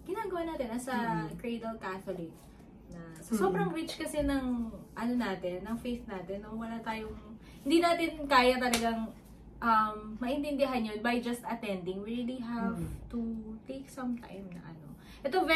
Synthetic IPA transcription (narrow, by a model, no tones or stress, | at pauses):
ɡ̥ɪnaːɡɐwanaːt̪ɪnɐsɐkɹejd̪ɐlkaθolɪk̚ | nɐsɐso̞bɾɐŋɾit͡ʃkɐsɛnɐŋʔɐnonaːt̪ɛnːɐŋfejθnaːt̪ɛnːowɐlat̪aːjoŋ | hɪnd̪inaːt̪ɪnkaːjɐt̪ɐlɐɡaŋ | ʔɐmːɐʔɪnt̪ɪnd̪ɪɦanːjonbɐjd͡ʒɐst̪ɐt̪ɛnd̪ɪŋɹiliɦavt̪ut̪ek̚sɐ̃mt̪ã̰jmnɐ̰ʔɐ̰no̞̰ | ʔɛt̪o̞vɛ